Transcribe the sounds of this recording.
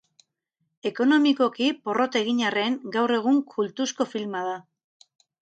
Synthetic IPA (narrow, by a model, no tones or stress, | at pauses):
e̞ko̞no̞miko̞kipo̞ro̞t̪e̞ɣiɲare̞ŋɡawre̞ɣ̞uŋkʰult̪usko̞filmaða